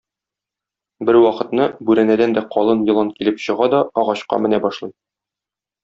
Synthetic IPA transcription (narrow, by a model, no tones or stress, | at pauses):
bɘɾwɒqɤ̆t̪nɤbʉɾænæd̪ænd̪æqɒlˠɤnjɤ̆lˠɑnkilɘpɕɤ̆ʁɑd̪ɒɒʁɑɕqɑ̰mɘ̆næbɒʃlˠɤj